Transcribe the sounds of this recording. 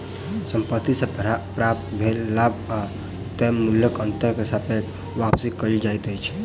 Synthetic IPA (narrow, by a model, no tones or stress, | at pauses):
səmpət̪ːisepɾap̚t̪bʱelːaba | t̪emuljəkənt̪əɾkesapek | ʋapsikːəild͡ʒajt̪əjt͡ʃʰ